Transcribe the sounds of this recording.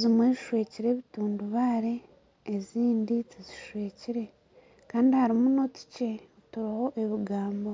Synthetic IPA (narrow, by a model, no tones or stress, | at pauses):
zimweziʃwe̞ːciɾe̞ːβituːnduβaːɾe̞ː | ziːndit͡siziʃwe̞ːciɾe̞ | kaːndihaɾimuno̞ti̥ce̞otuɾaho̞ʔe̞βiɡaːmbo